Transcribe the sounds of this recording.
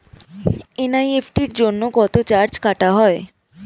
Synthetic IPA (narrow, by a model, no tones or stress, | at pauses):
enajepʰʈiɾd͡ʑonːokɔt̪ot͡ɕaɾt͡ɕkaʈaɦɔe